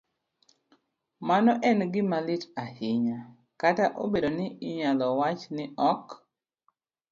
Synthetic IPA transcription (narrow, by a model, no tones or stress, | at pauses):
manɔʔɛnɡɪmalɪtahɪɲa | kataʔo̰bedonɪɪɲalɔwat͡ʃnɪʔɔk